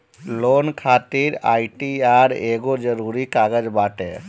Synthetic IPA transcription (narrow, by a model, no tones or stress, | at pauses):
lonkʰat̪iɾa̰ːjʈiaɾeɡod͡ʒəɾuɾikaɡəd͡ʒbaːʈe